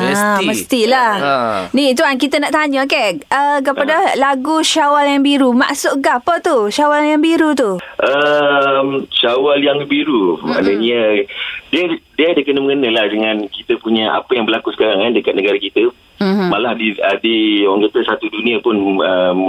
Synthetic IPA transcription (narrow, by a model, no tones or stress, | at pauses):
maəsməst̪ilahnit̪uankit̪anaʔt̪aɲakeʔəkəpadalaɡuʃawaljaŋbiɾuma̰ʔsʊʔɡapət̪uʃawaljaŋbiɾut̪uʔəmʃawaljaŋbiɾuma̰nəɲə | diədiədahkənəməŋənəlahdəŋãnkit̪əpuɲaʔa̰pajaŋbəlakusə̥kaɾaŋkandəkat̪̚nəɡaɾakit̪ə | m̩malahdiədioaŋkat̪əsat̪udunĩəpʊnəm